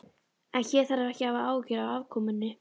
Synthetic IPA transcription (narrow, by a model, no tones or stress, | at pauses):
ɛnçɛːɾ̥θaɾaɾɛhcɪhavaaːwcɪɾawavkʰɔːmʏnːɪ